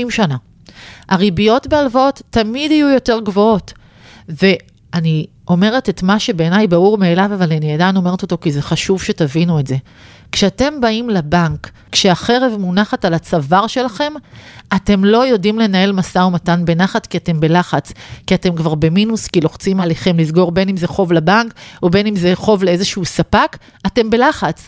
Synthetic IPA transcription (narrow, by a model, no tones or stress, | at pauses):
imʃana | haʁibijo̞tbealvaotːamidhajujo̞te̞ʁɡvo̞o̞t | ve̞ | ani | o̞me̞ʁe̞tetmaʃe̞be̞ːnajbauʁmeːlavavalaniedano̞me̞ʁeto̞to̞kizeχaʃuvʃe̞tavinue̞tze | kʃeate̞mbaimlabaŋkː | ʃeaχe̞ʁevmunaχatalat͡savaʁʃe̞laχe̞mate̞mlo̞jo̞dimle̞nae̞lmasaomatanbe̞naχatkiate̞mbe̞laχat͡skiate̞mkvaʁbe̞minuskilo̞χt͡simaleχe̞mlizɡo̞ʁbe̞nimzeχo̞vlabaŋkobe̞nimzeχo̞vleezeʃuusapak | ate̞mbe̞laχat͡s